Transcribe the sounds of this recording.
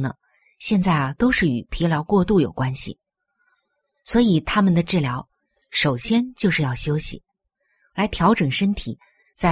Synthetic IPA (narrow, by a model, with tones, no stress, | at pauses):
nə̰˨˩ | ɕjɛ˥˧nt͡sa˥˩ɪt̪o˥ʊʂɻ̩˥˩y˨˩pʰi˧˥ljɑ˧˥ʊkwɔ˥˧t̪u˥˩jo˨˩ʊkwa˥nɕḭ˨˩ | swɔ˧˥i˨˩t̪ʰa˥mə˨nd̪ə˩ʈ͡ʂɻ̩˥˩ljɑ˧˥ʊ | ʂo˨˩ʊɕjɛ˥nt͡ɕjo˥˧ʊʂɻ̩˥˧jɑ˥˩ʊɕjo˥ʊɕḭ˨˩ | la˧˥ɪt̪ʰjɑ˧˥ʊʈ͡ʂɤ˨˩ŋʂə˥nt̪ʰi˨˩˦ | t͡sa˥˩